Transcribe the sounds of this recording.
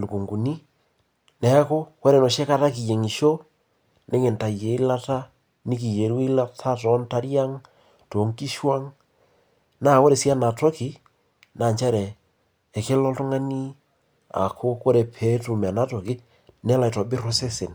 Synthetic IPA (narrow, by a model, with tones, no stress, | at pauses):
lu˨ku˨ŋɡu˨ni˦ | nɛ˨˦a˦ko˦ko˦ɾe˨nɔ˨ʃe˦ka˦ta˦ki˨je˨ŋi˨ʃo˦ | ne˦ŋe˨nta˨je˨i˦la˦ta˦ | ni˦k̬i˨je˨ɾwe˦la˦tʰa˦tɔ˨˦nta˦ɾja˦ŋ | to˨ŋki˦ʃwa˦ŋ | na˦˨ko˦ɾe˨si˦a˦na˨to˦ki˨˦ | na˨ɲt͡ʃɛ˦ɾɛː˨ | ke˦lɔ˦ltu˦ŋa˦ni˦ | a̰˨kʰo˦ko˦ɾe˨pʰe˨˦tu˨m˨a˨na˦to˨ki˦ | nɛ˦la˨i˨tɔ˨bi˦ɾo˦se˦se˨n